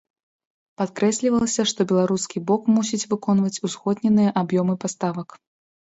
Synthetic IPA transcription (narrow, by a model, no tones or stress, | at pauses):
pat̪kɾɛsʲlʲivɐlˠɐsʲɐʂt̪ɔbʲɛlˠaɾuskʲibɔkmus̬ʲit͡sʲvɨkɔn̪vɐt͡sʲusxɔd̪nʲɛnɨjɐʔabjɔmɨpast̪avɐk